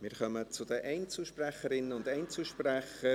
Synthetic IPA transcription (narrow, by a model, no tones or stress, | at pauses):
mɪːɾχœmət͡sʊdəʔɛɪnt͡sl̩ʃpræχəɾɪnːəʊndɛɪnt͡sl̩ʃpræχə